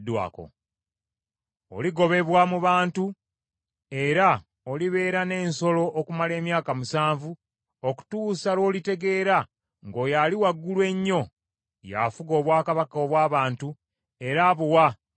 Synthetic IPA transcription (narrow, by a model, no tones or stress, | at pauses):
dwa̰ːko̰ | o̰liɡo̞βe̞βwamuβaːntu | e̞ɾa | oliβe̞ːɾane̞ːnso̞lo̞ʔːkumale̞ːmjaːkamusaːɱvu | oku̥tuːsalwo̞ːlite̞ɡe̞ːɾa | ŋɡo̞ːjaliwaɡːulwe̞ɲːo̞ | ja̰fuɡo̞ːβwaːkaβakoːβwaːβaːntu | e̞ɾaːβuwa